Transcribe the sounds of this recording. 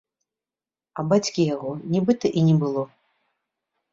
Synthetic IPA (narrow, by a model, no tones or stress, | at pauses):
ɐbat͡sʲkʲijaɣɔnʲibɨt̪ɐʔinʲɛbɨlˠɔ